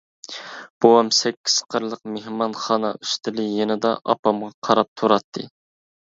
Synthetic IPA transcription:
b̥owɑmsɛkʲʰːi̥sqʰəɾlˠəq̚mehmɑnχɑːnɑ̰yst̪ʰɪlɪjenɨd̪ɑ̰ʔɑ̰pɑmʁɑqʰɑɾɑp̚t̪ʰuɾɑt̪ʰːɨ̰

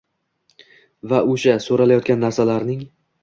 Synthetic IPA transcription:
vaoʃasoɾalajɒt̪̚ɡʲanːaɾsalaɾnɪŋ

